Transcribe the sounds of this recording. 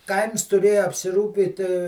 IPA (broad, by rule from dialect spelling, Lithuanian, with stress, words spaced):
ˈkɐɪms tʊˈrʲeːjʊ ɐpʲsʲɪˈruːpʲiːt